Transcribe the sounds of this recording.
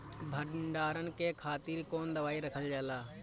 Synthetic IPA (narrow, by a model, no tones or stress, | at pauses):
bʱəɳɖaːɾənkekʰaːt̪iːɾkoːnd̪əʋaːiɾəkʰəld͡ʒaːlaː